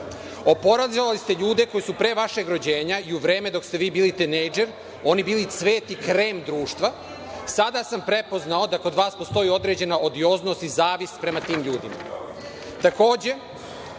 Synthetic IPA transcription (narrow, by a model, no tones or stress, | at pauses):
o̞po̞ɾazilalist̪eʎuːd̪e̞ko̞jisupɾeːʋaʃe̞ɡɾo̞d͡ʑe̞ːɲaiuʋɾeːme̞d̪o̞kst̪e̞ʋiːbiːlit̪inejd͡ʒe̞ɾ | o̞nibiːlit̪sʋe̞ːt̪ikɾe̞ːmd̪ɾuːʃt̪ʋa | sad̪asampɾe̞po̞znao̞d̪ako̞d̪ʋaːspo̞st̪o̞jiːo̞d̪ɾe̞ːd͡ʑe̞naʔo̞d̪io̞ːzno̞ːst̪izaːʋist̪pɾe̞mat̪iːmʎuːd̪ḭma̰ | t̪ako̞ːd͡ʑe̞